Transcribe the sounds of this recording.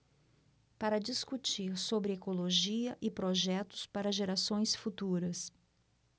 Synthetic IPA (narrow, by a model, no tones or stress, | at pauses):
paɾɐd͡ʒiskut͡ʃiɾsobɾɪekoloʒiɐʔɪpɾoʒɛt̪ʊ̥spaɾɐʒeɾasõj̃sfut̪uɾɐs